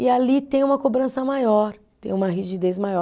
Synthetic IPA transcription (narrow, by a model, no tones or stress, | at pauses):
ɪalit̪ẽj̃ũmɐkobɾɐ̃sɐmajɔɾ | t̪ẽj̃ũmɐɦiʒid̪ezmajɔ